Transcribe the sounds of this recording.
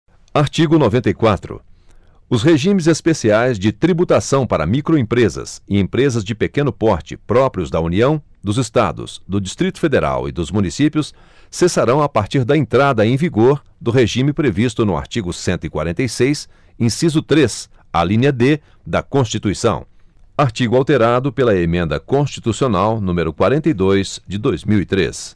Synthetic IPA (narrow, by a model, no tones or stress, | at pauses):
aɾt͡ʃiɡʊnovẽnt̪ɐjkwat̪ɾʊ̰ | ʊsheʒĩmɪzespesiajzd͡ʒɪt̪ɾibut̪asɐ̃w̃paɾɐ̰mikɾoẽpɾezɐ̰sɪẽpɾezɐzd͡ʒɪpekẽnʊpɔɾt͡ʃɪ̰pɾɔpɾiʊzd̪ɐuniɐ̃w̃ | d̪ʊzɪst̪a̰d̪ʊ̰sd̪ʊd͡ʒist̪ɾit̪ʊ̥fed̪eɾa̰wɪ̰d̪ʊzmũnisipjʊs | sesaɾɐ̃w̃apaɾt͡ʃiɾd̪ɐẽnt̪ɾad̪ɐẽj̃viɡoɾ | d̪ʊɦeʒĩmɪpɾevist̪ʊnʊa̰ɾt͡ʃiɡʊsẽnt̪ʊikwa̰ɾẽnt̪ejsejs | ẽsizʊt̪ɾes | alĩnɐd̪e | d̪ɐkõst͡ʃit̪uisɐ̰̃w̃ | aɾt͡ʃiɡʊawt̪eɾad̪ʊpelɐemẽnd̪ɐkõst͡ʃit̪usionawnũmeɾʊkwaɾẽnt̪ejd̪ojz̥d͡ʒɪd̪ojzmiwit̪ɾḛs